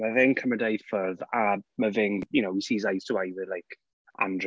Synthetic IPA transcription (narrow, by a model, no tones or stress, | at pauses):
məvɪnkʰəmədajfəðaməvɪnjʊnowisiːzajsəwajwɪlajkʰ | a̰nd